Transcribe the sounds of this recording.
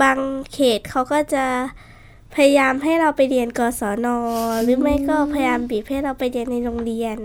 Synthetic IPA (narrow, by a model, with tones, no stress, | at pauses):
baː˧ŋkʰeː˨˩t̪̚kʰa˦˥wkɔː˥˩t͡ɕa˨˩ | pʰa˧ja˧jaː˧mɦa˥˩jɾa˧wpa˧jɾi˧ənkɔː˧sɔː˩˦nɔː˧ɾɯː˩˦ma˥˩jkɔː˥˩pʰa˧ja˧jaː˧mbiː˨˩p̚ha˥˩jɾa˧wpa˧jɾi˧ənːa˧jɾo˧ŋɾi˧ən